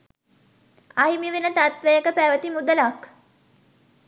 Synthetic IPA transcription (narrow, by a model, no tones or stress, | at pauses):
aɦimiʋenət̪at̪ʋəjəkəpæʋət̪imud̪əlak